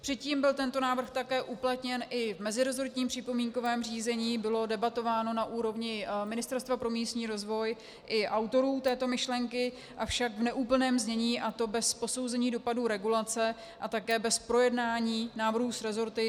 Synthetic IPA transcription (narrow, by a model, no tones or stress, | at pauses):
pr̥ɛt̪ciːmbɪlt̪ɛnt̪o̞naːvr̩xt̪akɛːʔuplat̪ɲɛnʔɪvmɛzɪɾozoɾt̪ɲiːmpr̝̥ɪpo̞miːŋko̞vɛːmr̝iːzɛɲiːbɪlo̞dɛbat̪o̞vaːno̞naʔuːɾo̞vɲɪmɪnɪst̪ɛɾst̪vapɾo̞miːst̪ɲiːɾo̞zvo̞j | ʔɪʔawt̪o̞ɾuːt̪ɛːt̪o̞mɪʃlɛŋkɪ | ʔafʃakvnɛʔuːpl̩nɛːmzɲɛɲiːʔat̪o̞bɛspo̞so̞wzɛɲiːdo̞paduɾɛɡulat͡sɛ | ʔat̪akɛːbɛspɾo̞jɛdnaːɲiːnaːvr̩ɦusɾɛzo̞ɾt̪ɪ